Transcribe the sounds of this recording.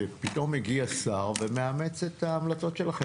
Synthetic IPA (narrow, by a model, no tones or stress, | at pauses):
epit̪o̞miɡiasaʁvemeamet͡se̞t̪aːmlat͡so̞t̪ʃelaχe